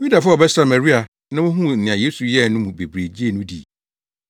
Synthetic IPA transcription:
wi˦da˨fʊ˦ɔ˨bɛ˦sa˨ma˨ɾi˦a˨ | nã˦wʊ̃˦ɦũ˦˨n̩˨nɪ̃˨ã˨je˦su˨jɛ˦˨nʊ̃˦mũ˨be˨bɾe˨d͡ʑi˦e˦nʊ̃˦dḭ˦˨

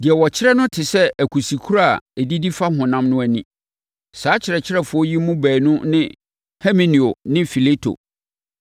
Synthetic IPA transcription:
dɪ˨ɛ˨wɔ˨t͡ɕʰɪ˦ɾɛ˦nʊ̃˦tʰɪ˨sɛ˦æ˨kʰu˨si˨kʰu˦ɾa˦˨ɛ˨di˦di˦fa˦ɦʊ̃˨nã˦mnʊ̃˦æ˦nĩ˦ | saː˨˦t͡ɕʰɪ˨ɾɛ˨t͡ɕʰɪ˦ɾɛ˦˨fʊ˨˦ɔ˦ji˦mũ˦bæː˨nʊ̃˦nɪ̃˦ | hɛ˦mẽ˨nĩ˨o˨nɪ̃˦fi˨le˦tʰo̰˨

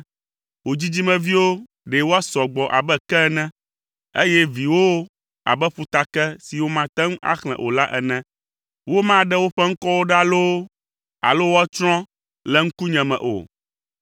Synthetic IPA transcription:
wo˨d͡ʑi˦d͡ʑi˦mɛ̃˨vi˦wo˦ | ɖe˨wo˦a˦sɔ˨ɡ͡bɔ˨ʔa̰˨bɛ˦kɛ˦nɛ̃˦ | e˦jɛ˦vi˨wo˦ | a̰˨bɛ˦ɸu˨t̪a˨kɛ˦si˨wo˦mã˦t̪ɛ̃˦ŋ˦a̰˦xl̃ɛ̰̃˨ʔo̰˨la˦ʔɛ˨nɛ̃˦ | wo˦mã˦ɖɛ˦wo˦ɸɛ˦ŋ̩˦kɔ˦wo˦ɖa˦lo˦ | a̰˨lo˦wo˦a˦t͡ʃɾ̃ɔ̃˦ | lɛ˦ŋ̩˦ku˦ɲɛ̃˨mɛ̰̃˨ʔo̰˨

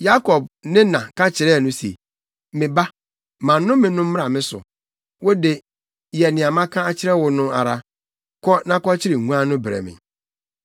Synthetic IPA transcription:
ja˦kʰɔ˨b̚nɪ̃˦nã˨ka˦t͡ɕʰɪ˨ɾɛ˦˨nʊ̃˦sḛ˨ | mɪ̃˨ba˦ | mã˨˦ʊ̃˦mɪ̃˨nʊ̃˦m̩˦m̃˦ɾa˨mɪ̃˦sʊ̰˨ | wo˦de˨ | jɛ˨nɪ̃˨a˨mã˦kʰã˦a˦t͡ɕʰɪ˦ɾɛ˦wʊ˨nʊ̃˦a̰˨ɾa˦ | kʰɔ˦nã˦kɔ˦t͡ɕʰɪ˦ɾɪ˨ŋũ˦ã˦nʊ̃˦bɾɛ̰˨mɪ̰̃˨

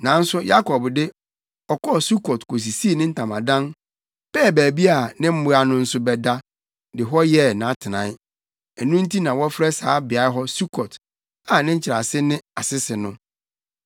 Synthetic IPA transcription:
nã˨˦n̩˦sʊ˦ja˦kʰɔ˨bdɪ˦ | ɔ˨kɔ˦˨su˦kɔ˨tkʰo˨s̬i˨si˦e˨nɪ̃˦n̩˦tʰã˨mã˨dã˦n | pɛː˦˨bæː˨bi˦a˨nɪ̃˦m̩˦mʊ˨ɾa˨nʊ̃˦n̩˦sʊ˦bɛ˨da˦ | dɪ˨ɦɔ˦jɛ˦˨nã˨˦tʰɪ˨nã̰˨˦ | ɛ˨nũ˦n̩˦tʰi˦nã˨wɔ˦fɾɛ˦saː˨˦bɪ˨a˨˦ɦɔ˦su˦kʰɔ˨t | a˨nɪ̃˦ɲ̩˦t͡ɕʰɪ˨ɾa˨sɪ˦nɪ̃˦a˨sɪ˦sɪ˨nʊ̃˦

